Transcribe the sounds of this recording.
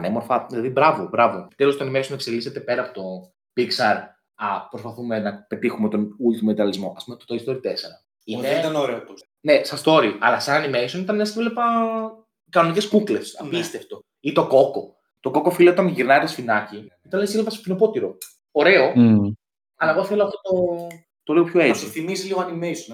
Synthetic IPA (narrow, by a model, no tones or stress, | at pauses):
nemo̞ɾfɐilɐðibɾɐvobɾɐvo̞epi̥t̪elost̪onimeɾsomuekse̞liset̪e̞pe̞ɾɐpot̪o̞ | piksɐɾ | ɐpɾospɐθume̞nɐpe̞t̪ixumet̪o̞nult̪imomet̪ɐlizmo̞ʔɐspumet̪ot̪oist̪o̞ɾit̪eseɾɐ | inet̪ɐnoɾeot̪o | ne̞sɐst̪o̞ɾiɐlɐsɐnɐnimeɾisonit̪ɐnenɐsivlepɐ | kɐnoniceskuklesɐpist̪eft̪o̞ | it̪o̞ko̞ko̞ | t̪o̞ko̞kofileot̪ɐnʝiɾnɐɾesfinɐci | it̪ɐnlesilvɐspino̞po̞t̪iɾo̞ | o̞ɾe̞o̞ | ɐlɐeɣoθe̞loɐft̪ot̪o̞ | t̪oliɣopço̞esoiθimiziliɣoɐnimeison